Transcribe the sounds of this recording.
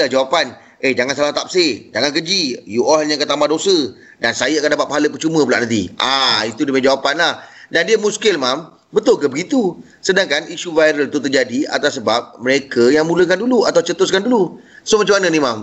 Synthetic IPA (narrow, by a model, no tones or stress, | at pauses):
lahd͡ʒawapan | ʔed͡ʒaŋansalaht̪ap̚sed͡ʒaŋankəd͡ʒijuʔɔlɲãkət̪amadosə | dansajəakandapat̪̚paɦaləpərt͡ʃumə̃p̬ulaʔnãnt̪ḭʔait̪udəməd͡ʒawapanlahdandiəmuskɪlmam | bət̪ʊlkəbəɡit̪u | sədaŋkaniʃuvajɾəlt̪ut̪ərd͡ʒadia̰t̪asːəbap̚məɾekəjaŋmũlək̬anduluat̪awt͡ʃət̪ʊskandulu | somat͡ʃamanə̃nimam